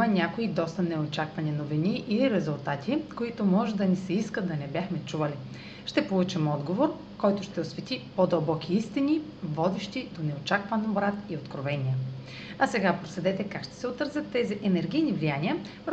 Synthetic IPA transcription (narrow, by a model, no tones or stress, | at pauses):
ɐnʲakoid̪ɔst̪ɐnɛot͡ʃakvɐninoviniʔiliɾɛzulˠt̪at̪ʰikoit̪omɔʒɛd̪ɐnisɛiskət̪d̪ɐnɛbʲjaxmɛt͡ʃuvɐli | ʃt̪ɛpolˠut͡ʃimɔd̪ɡovoɾ | kɔjt̪ʊʃt̪ɛosvɛt̪ipod̪ɐlˠbɔk̟iist̪ini | vɔd̪ɛʃt̪id̪onɛot͡ʃakvɐnbɾat̪iot̪kɾovɛnʲiə | ɐsɛɡapɾosɛd̪ɛt̪ɛkakʃt̪ɛ̥sɛot̪ɾzʲət̪ːɛziʔɛnɛɾɡijnivlijaniə | pɾ